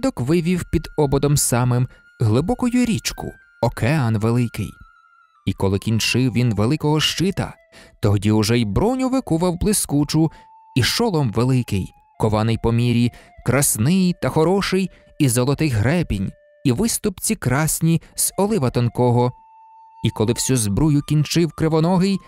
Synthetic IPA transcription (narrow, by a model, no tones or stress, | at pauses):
d̪ɔkʋɪʋʲiwpʲid̪ɔbɔd̪ɔmsɑmɪm | ɦlˠɪbɔkɔjʊɾʲit͡ʃkʊ̰ | ɔkʰeɑnʋelˠɪkɪ̰j | ikɔlˠɪkʲint͡ʃɪwʋʲinʋelˠɪkɔɦɔʃt͡ʃɪt̪ɐ̰ | t̪ɔɦdʲiʊʒɛjbɾɔnʲʊʋɪkuʋɐwblˠɪskut͡ʃʊ | iʃɔlˠɔmʋelˠɪkɪj | kɔʋɑnɪjpɔmʲiɾʲikɾɐsnɪjt̪ɐxɔɾɔʃɪj | izɔlˠɔt̪ɪɣɦɾɛpʲinʲ | iʋɪst̪ʊpt͡sʲikɾɑsʲnʲiz̥ɔlˠɪʋɐt̪ɔnkɔɦɔ | ikɔlˠɪwsʲuzbɾujʊkʲint͡ʃɪwkɾeʋɔnɔɦɪj